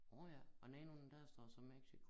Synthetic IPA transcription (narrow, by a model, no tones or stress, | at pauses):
ɔjæɒ̽nɛnond̥æɐsd̥ɒ̰ːsɒ̽meɡ̥sikʰo